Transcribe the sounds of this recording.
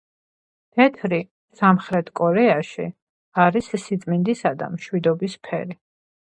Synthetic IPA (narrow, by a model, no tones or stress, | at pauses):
t̪ʰɛt̪ʰɾi | samχɾɛt̪ʰkʼɔɾɛaʃḭ | aɾissit̪sʼmind̪isad̪a̰mʃwid̪ɔbispʰɛɾi